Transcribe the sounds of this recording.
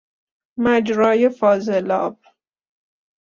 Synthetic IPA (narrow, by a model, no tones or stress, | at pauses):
mæd͡ʒɾɒːjefɒːzelɑ̰ːb̚